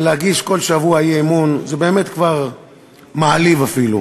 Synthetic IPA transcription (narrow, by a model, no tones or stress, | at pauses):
lehaɡiʃko̞lʃavuajeemunzebe̞ːmetkvaʁ | maalivafilṵ